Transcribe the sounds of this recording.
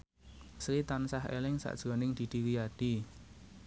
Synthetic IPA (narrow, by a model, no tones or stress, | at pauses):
sɾit̪ansaɦḛlɪŋsa̰ʔd̥ʒ̥ɾɔnɪŋd̪̥i̤d̪̥i̤wijaɖ̥i